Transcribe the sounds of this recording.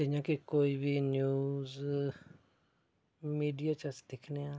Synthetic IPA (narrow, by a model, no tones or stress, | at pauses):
t̪ɪ̃jãːkikoːiːbiːnjuːz | miːɖijaːt͡ʃəsd̪ekʰneãː